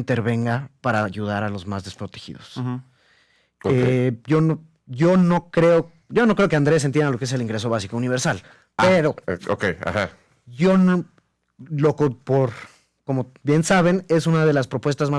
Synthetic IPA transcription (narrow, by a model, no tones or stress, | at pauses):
nt̪e̞ɾβe̞ŋɡapaɾajuðaɾalo̞zmazðe̞spɾo̞t̪e̞xḭðos | keɟ͡ʝo̞no | ʝo̞no̞kɾe̞o | ɟ͡ʝo̞no̞kɾe̞okeand̪ɾe̞s̬ent̪jend̪alokee̞s̬e̞liŋɡɾe̞s̬oβasikouniβ̞eɾsal | eɾo̞o̰keja̰ha | ʝo̞no | lokopoɾ | ko̞mo̞bje̞nsaβ̞e̞ne̞sunað̞e̞laspɾo̞pwe̞st̪azma